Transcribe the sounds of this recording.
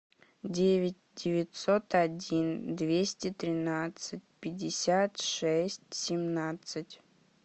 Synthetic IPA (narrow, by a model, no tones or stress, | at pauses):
dʲevʲɪtʲdʲɪvʲɪt̪sot̪adʲind̪vʲesʲtʲɪt̪ɾʲɪnat̪sɨt̚ʲpʲɪdʲːɪsʲat̪ʂɛsʲtʲsʲɪmnat̪sɨtʲ